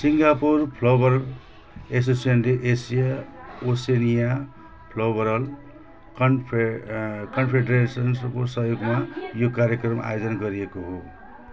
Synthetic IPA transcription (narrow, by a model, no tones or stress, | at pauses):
siŋɡapurpʰlʌbʌɾʌl | es̬osʌnleʔesijaosenija | pʰlʌbʌɾʌl | kʌnpʰ | kʌnpʰeɖresʌnskosʌɦjoɡmajokaɾjʌkrʌma̰jod͡zʌnɡʌɾiekoɦo